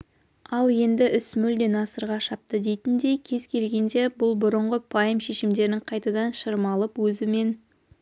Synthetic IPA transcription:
ɑlˠje̞nd̪ɪʔɪsmʏld̪e̞nɑsəɾʁɑʃɑp̚t̪əd̪e̞jt̪ɪnd̪e̞jkʲʰe̞zkʲʰe̞lɡʲe̞nd̪e̞bʊlˠbʊɾəɴʁəpʰɑjəmʃe̞ʃɪmd̪e̞ɾnɪŋqʰɑjt̪ɑd̪ɑnʃəɾəmɑlˠəpwɵzɪme̞n

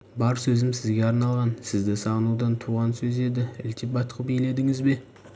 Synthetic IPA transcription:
bɑɾsɵzɪmsɪzɡʲe̞ɑɾnɑlˠʁɑnsɪzd̪ɪsɑʁənud̪ɑnt̪ʰuʁɑnsɵze̞d̪ɪɪ̰lt̪ʰipɑjt̪qəpejle̞d̪ɪŋɪzbe̞

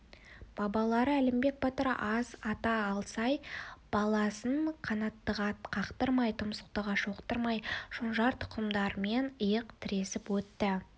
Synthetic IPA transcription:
b̥ɑbɑlˠɑɾəælɪmbe̞k̚bɑt̪əɾ̰ʔɑzɑt̪ɑːlˠsɑjb̥ɑlˠɑsəɴqʰɑnɑt̪ːəʁɑt̪qʰɑqt̪əɾmɑjt̪ʰʊmsə̥q̚t̪əʁɑʃoqt̪əɾmɑjʒ̥onʒɑɾt̪ʰʊ̥qʰəmd̪ɑɾme̞nəjəqt̪ʰɪɾe̞sɪpwɵt̪ːɪ

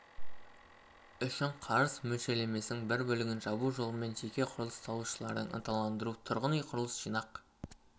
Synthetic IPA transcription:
ʏʃɪɴqʰɑɾəzmɵlʃe̞le̞me̞sɪnɪŋbɪɾbɵlɪɡʲɪnʒɑbuʒo̞lˠəme̞nʒe̞kʲe̞qʰʊɾəlˠəst̪ʰɑlˠuʃəlˠɑ̰ɾd̪əɴə̰nt̪ʰɑlˠɑnd̪əɾut̪ʰʊɾʁənijqʰʊɾəlˠəsʒ̥ijnɑq

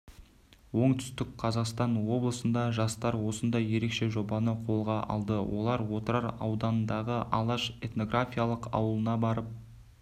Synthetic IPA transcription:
wo̞ɴt̪ʰʏ̥st̪ɪk̚qʰɑzɑqst̪ɑnwo̞blˠəsənd̪ɑʒɑst̪ɑɾwo̞sənd̪ɑje̞ɾe̞kʃe̞ʒo̞bɑnəqʰo̞lˠʁɑʔɑ̰lˠd̪əwo̞lˠɑɾwo̞t̪əɾɑɾɑwd̪ɑnənd̪ɑʁəʔɑ̰lˠɑʃe̞t̪no̞ɡrafʲijalˠəqɑ̰wəlˠənɑbɑɾəp̚

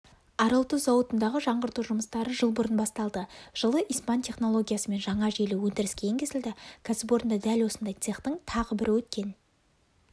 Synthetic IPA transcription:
ɑɾəlˠt̪uzɑwət̪ənd̪ɑʁəʒɑɴʁəɾt̪uʒʊməst̪ɑɾəʒəlˠbʊɾənbɑst̪ɑlˠd̪əʒ̥əlˠəʔijspɑnt̪ʲʰe̞χno̞lˠo̞ɡʲijasəme̞nʒɑɴɑʒejluwɵnd̪ɪɾɪskʲeɪŋkʲʰe̞zɪld̪ɪkʲʰæsɪp̬o̞ɾənd̪ɑd̪ælwo̞sənd̪ɑjt̪seχt̪əɴt̪ʰɑʁəbɪɾʔɪwɵt̪kʲe̞n

